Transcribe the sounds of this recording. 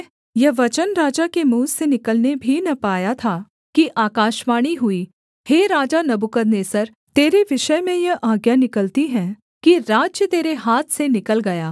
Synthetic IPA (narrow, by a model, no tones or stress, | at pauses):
jɐʋɐt͡ʃənɾaːd͡ʒakemuːsenɪkəlnebʱinɐpaːjat̪ʰa | kiʔaːkaːʃmaːɽ̃iɦʊi | heːɾaːd͡ʒanɐbʊkəd̪neːsəɾ | t̪eːɾeʋɪʃəjmẽjɐʔaːɡjanɪkəlt̪iɦɛ̃ː | kiɾaːd͡ʒjət̪eːɾeɦaːt̪ʰsenɪkəlɡɐjaː